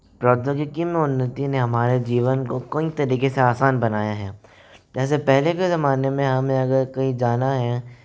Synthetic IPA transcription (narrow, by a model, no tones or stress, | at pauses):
pɾɔːt̪jəɡɪkimẽʊnːət̪ineɦɐmaːɾed͡ʒiːʋənkokoĩt̪ɐɾiːkeseaːsaːnbɐnaːjaɦɛː | d͡ʒɛːs̬epɛɦlekezɐmaːnemẽɦɐmẽɐɡəɾkɐĩd͡ʒaːnaɦɛː